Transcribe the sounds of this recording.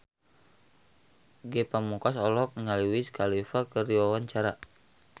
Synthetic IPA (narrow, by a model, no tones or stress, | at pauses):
ɡɛpamukasɔlɔk̚niŋaliwiskʰalifakəriwawaɲt͡ʃaɾa